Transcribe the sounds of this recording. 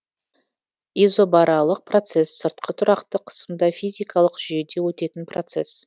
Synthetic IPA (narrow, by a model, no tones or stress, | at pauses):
izo̞bɑɾɑlˠəq̚pro̞t̪se̞sːəɾt̪̚qʰət̪ʰʊɾɑqt̪əqʰə̥səmd̪ɑfʲijzʲijkʰɑlˠəqʒ̥ʏje̞d̪e̞wɵt̪e̞t̪ɪnprot̪se̞̰s